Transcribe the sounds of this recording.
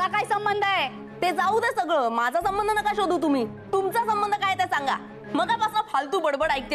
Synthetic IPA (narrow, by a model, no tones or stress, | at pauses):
kakaisəmbənd̪ʱae | t̪ed͡zaud̪esəɡɭəːmad͡zʱasəmbənd̪ənəkaɕod̪uːt̪um̤iː | t̪umt͡sasəmbənd̪ʱəkajt̪ɛsaŋɡa̰ | məɡapasnafʰalt̪̬uːbəɽbəɽajk̚t̪